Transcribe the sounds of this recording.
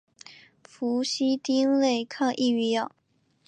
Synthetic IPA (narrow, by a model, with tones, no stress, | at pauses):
fu˧˥ɕi˥t̪i˥ŋle˥˩ɪkʰɑ˥˧ŋʔi˥˩i˧˥jɑ˨˩˦